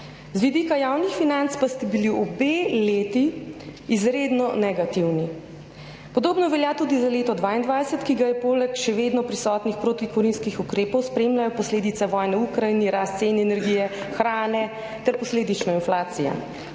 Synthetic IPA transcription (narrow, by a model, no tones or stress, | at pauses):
zʋid̪ikajaːwnixfinant̪spast̪ɛbiliɔbeːleːt̪iː | zɾeːd̪nɔnɛɡat̪iwni | pɔd̪oːbnɔʋɛljat̪uːd̪izaleːt̪ɔd̪ʋaːind̪ʋaːjsət̪kiɡajɛpoːlɛkʃɛʋeːd̪nɔpɾisɔːt̪nixpɾoːt̪ikɔɾinskixukɾeːpɔwspɾeːmlʲajɔpɔsleːd̪it̪sɛʋɔːjnɛukɾainiɾast̪seːnɛɛnɛɾɡiːjɛxɾaːnɛ | t̪ɛɾpɔsleːd̪it͡ʃnɔinflaːt̪sija̰